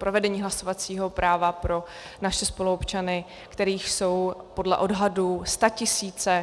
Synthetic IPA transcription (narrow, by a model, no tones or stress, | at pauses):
pɾo̞vɛdɛɲiːɦlaso̞vat͡siːɦo̞pɾaːvapɾo̞ | naʃɛspo̞luopt͡ʃanɪ | kt̪ɛɾiːxso̞wpo̞dlɛ̰ʔo̞dɦadust̪acɪsiːt͡sɛ